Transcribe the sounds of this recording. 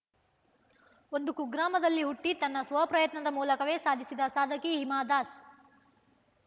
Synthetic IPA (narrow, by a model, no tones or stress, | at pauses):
ond̪ukuɡɾaːmɐd̪ɐlːiɦuʈːit̪ɐnːɐsʋɐɐpɾɐjɐt̪nɐd̪ɐmuːlɐkɐʋe̞ːsaːd̪ʱisid̪ɐsaːd̪ʱɐkiɦimaːd̪aːs